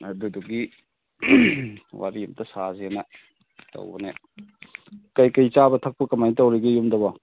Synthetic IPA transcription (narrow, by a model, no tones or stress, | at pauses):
ɐduduɡi | wʔa̰ɾiumtʰɐsazenɐ | tɐ̰wbɐne | kajkajt͡ʃabɐtʰɐk̚pɐkɐmajnitɐwɾiɡɐjumdɐbɐ